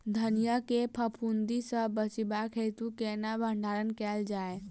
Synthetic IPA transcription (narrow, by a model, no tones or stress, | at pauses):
d̪ʱənijəkepʰəpʰund̪isəbət͡ʃibakʰɦet̪ukeːnabʱə̃ɳɖʱaːɾənkɛːld͡ʒaːe